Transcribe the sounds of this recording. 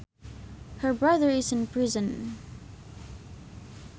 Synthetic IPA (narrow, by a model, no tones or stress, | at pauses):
hə˞bɹʌðə˞ɪzɨ̃npʰɹ̥ɪzə̃n